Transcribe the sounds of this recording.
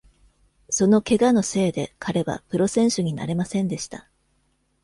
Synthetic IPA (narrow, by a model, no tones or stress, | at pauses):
so̞no̞ke̞ɡano̞se̞ːd̪e̞kʰaɾe̞βa̰pɯ̟ɾo̞sẽ̞ɰ̃ɕɨɲ̟ina̰ɾe̞masẽ̞nd̪e̞ɕi̥t̪a